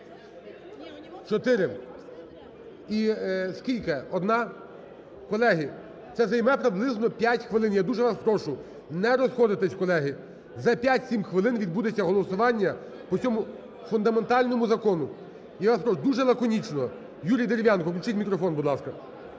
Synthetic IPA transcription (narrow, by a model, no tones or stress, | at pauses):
t͡ʃɔt̪ɪɾɪ | iskʲilʲkɪɔd̪nɑ | kɔlˠɛɦɪ | t̪sɛzɐjmɛpɾɪblˠɪznɔpʲjatʲxʋɪlˠɪnjad̪uʒɛʋɑspɾɔʃʊ | nɛɾɔsxɔd̪ɪt̪ɛsʲkɔlˠɛɦɪ | zɐpʲjatʲsʲimxʋɪlˠɪnʋʲid̪̚bud̪et͡sʲːɐɦɔlˠɔsʊʋɑnʲːɐ | pɔt͡sʲɔmʊ | fʊnd̪ɐment̪ɑlʲnɔmʊzɐkɔnʊ | iʋɑspɾɔʃʊd̪uʒɛlˠɐkɔnʲit͡ʃnɔ | juɾʲijd̪eɾʲɪʋʲjɑnkɔkʲlʲt͡ʃɪtʲmʲikɾɔfɔnbud̪lˠɑskɐ